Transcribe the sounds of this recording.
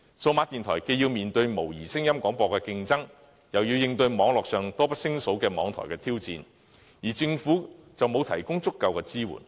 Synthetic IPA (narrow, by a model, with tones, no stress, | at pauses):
so˧wmaː˧˥t̪i˨nt̪ʰɔː˨˩jke˧jiː˧wmiː˨˩nt̪ɵ˧ɥmo˨˩wjiː˨˩sɪ˥ŋjɐ˥mkʷɔː˨˥ŋpɔː˧kɛː˧kɪ˧ŋt͡sɐ˥ŋ | jɐ˨wjiː˧wjɪ˧ŋt̪ɵ˧ɥmɔː˨˥ŋlɔː˨k̚sœː˨ŋt̪ɔː˥pɐ˥t̚sɪ˥ŋso˨˥wkɛː˧mɔː˨˧ŋt̪ʰɔ̰˨˩jkɛː˧t̪ʰiː˥wt͡sḭː˧n | jiː˨˩t͡sɪ˧ŋfuː˨˥t͡sɐ˨wmo˨˧wt̪ʰɐ˨˩jkʊ˥ŋt͡sʊ˥kːɐ˧wkɛː˧t͡siː˥wṵː˨˩n